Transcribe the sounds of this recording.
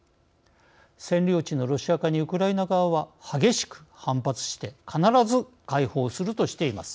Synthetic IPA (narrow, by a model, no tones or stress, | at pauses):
sẽ̞nɾʲo̞ːt͡ɕino̞ɾo̞ɕiakaɲ̟iɯ̟kɯ̟ɾainaɡaβaβahaɡʲe̞ɕi̥kɯ̟̥hãmpat͡sɨ̥ɕi̥t̪e̞kʰanaɾazɨ | kaiho̞ːsɨɾɯ̟t̪o̞ɕi̥t̪e̞ima̰sɨ̥